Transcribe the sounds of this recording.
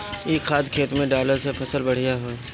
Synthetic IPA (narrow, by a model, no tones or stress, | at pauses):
eːkxaːd̪kʰeːt̪mẽɖaːləɾsepʰɐsəlbɐɽ̤ijaɦoːɛ